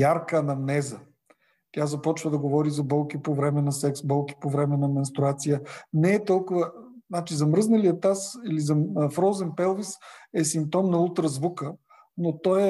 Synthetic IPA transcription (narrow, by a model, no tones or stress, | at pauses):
jaɾkənɐmnɛzə | t̪ʲazɐpɔt͡ʃvəd̪ɐɡovɔɾizɐbɔlˠkipovɾɛmɛnɐsɛksbɔlˠki̥povɾɛmɛnɐmɛnst̪ɾuat̪sijənɛːt̪ɔlˠkʊvəznat͡ʃizɐmɾɤznɐliət̪asilizɐfɾɔzɛnpɛlˠvisɛsimp̚t̪ɔmnɐut̪ɾəzvukə | not̪ɔj